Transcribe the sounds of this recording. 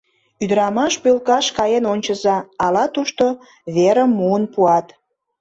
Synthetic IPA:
yd̪əɾɑmɑʃpølkɑʃkɑjenonʲt͡ɕəzɑːlɑt̪uʃt̪o | βeɾə̆mːuənpuɑt̪

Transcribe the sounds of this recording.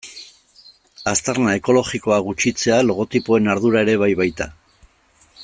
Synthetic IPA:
ast̪arnae̞ko̞lo̞ɣiko̞aɣut͡ʃit͡se̞alo̞ɣ̞o̞t̪ipo̞e̞naɾðuɾae̞ɾe̞β̞ajβajt̪a

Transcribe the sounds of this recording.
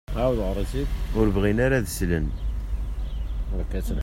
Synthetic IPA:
awðʁəɾˤɑsiʊɾvʁinaɾaðəslən | ɾkːæsən

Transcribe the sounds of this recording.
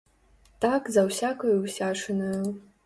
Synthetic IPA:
tʰakzawsʲakʰɐjwsʲaʂɨnɐw

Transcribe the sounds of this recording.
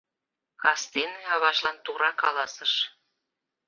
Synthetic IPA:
kɑst̪eneɑβɑʃlɑnt̪uɾɑkɑlɑsəʃ

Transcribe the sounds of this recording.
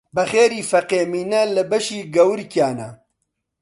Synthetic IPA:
bɐxeːɾiːfɐqeːmiːnɐlɨbɐʃiːɡɐwɨɾkjaːnɐ

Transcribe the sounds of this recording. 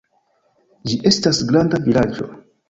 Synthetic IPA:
d͡ʒiʔe̞stasɡɾandavilad͡ʒo̞̰

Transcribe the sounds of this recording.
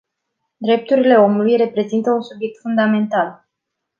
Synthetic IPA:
d̪ɾe̞p̚t̪uɾile̞o̞mulujre̞pɾe̞zint̪əunsubje̞k̚t̪fund̪ame̞nt̪al

